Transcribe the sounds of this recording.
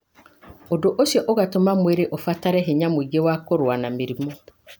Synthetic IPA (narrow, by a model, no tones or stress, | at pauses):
odoʔoɕɛʔoɣatomãmeɾeʔofataɾɛɦeɲãmoiɡewakoɾʊanãmiɾimo